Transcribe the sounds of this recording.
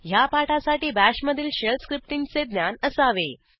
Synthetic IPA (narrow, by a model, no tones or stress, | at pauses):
japaʈasaʈiːbæɕməd̪ʱiːlɕelskɾip̚ʈiŋɡt͡sed̪nʲjanəsaʋe